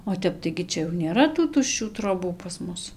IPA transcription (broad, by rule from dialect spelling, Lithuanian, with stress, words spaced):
oː ˈtʲɛp tɐɪ ɡʲɪ ˈt͡ʃʲɛ jɛʊ nʲeːˈrɐ tuː tʊʃʲˈt͡ʃʲuː troːˈbuː pɐs ˈmʊs